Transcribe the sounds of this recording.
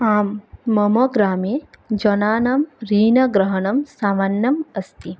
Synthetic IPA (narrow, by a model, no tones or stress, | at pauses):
aːmːɐmɐɡɾaːmeː | d͡ʒɐnaːnɐmɾiːnɐɡɾɐɦɐɳɐmsaːmanːɐmɐst̪i